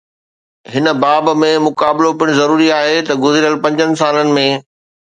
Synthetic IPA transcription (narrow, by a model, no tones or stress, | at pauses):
ɦɪnə̆baːbmẽmʊkaːbɪlopɪɽ̃zɐɾuːɾiaːɦet̪ɐɡʊzɪɾijəlpɐ̃ɲd͡ʑənɪ̆s̬aːlənɪ̆mẽ